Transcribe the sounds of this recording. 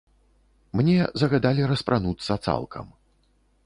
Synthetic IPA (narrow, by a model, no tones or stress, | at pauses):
mnʲɛzɐɣad̪alʲiɾɐspɾʔanut̪sːɐt̪sa̰lˠkʰɐ̰m